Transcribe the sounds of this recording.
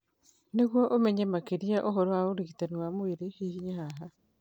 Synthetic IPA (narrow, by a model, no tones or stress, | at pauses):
neɣwɔʔomɛɲɛmakeɾiaʔoɦoɾowaoɾiɣitanwamweɾehihiɲaɦaɦa